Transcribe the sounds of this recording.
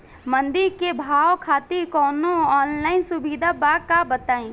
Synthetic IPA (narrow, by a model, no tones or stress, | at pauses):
mə̃nd̪ɪɾkebʱaːwkʰaːt̪ikɔːnoɔːnlaːɪnsʊbiːd̪ʱabaːkabət̪aːĩː